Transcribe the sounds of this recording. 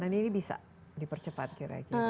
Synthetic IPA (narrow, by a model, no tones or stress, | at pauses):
naniːnibisa̰ | dipərt͡ʃəpat̪̚kiɾa̰ki